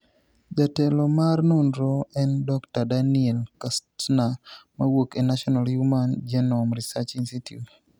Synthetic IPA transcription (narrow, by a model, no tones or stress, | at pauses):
d͡ʒatɛlɔmarnunɾɔɛndɔktadanielkastnamawokenaʃɔnaljumand͡ʒɛnɔmɾisat͡ʃinsitjṵt